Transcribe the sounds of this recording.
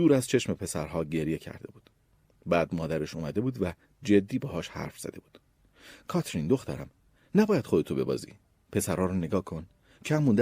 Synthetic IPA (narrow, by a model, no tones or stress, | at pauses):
uːɾæzt͡ʃʰe̞ʃme̞pʰe̞sæɾɦɒːɟe̞ɾje̞cʰæ̰ɾd̪e̞buːd̪̥ | bæːd̪mɒːd̪æɾeʃumæd̪e̞buːd̪væ | d͡ʒe̞d̪ːiːbɒːɦɒːʃhæ̰ɾfz̥æ̰d̪e̞buːd̪̥ | kʰɒt̪ʰɾind̪o̞xt̪æ̰ɾæm | næbɒːjæd̪̥χo̞d̪e̞t̪ʰo̞be̞bɒ̰ːzḭː | pʰe̞sæɾhɒːɾɔːne̞ɡɒːkʰo̞n | cʰæmːund̪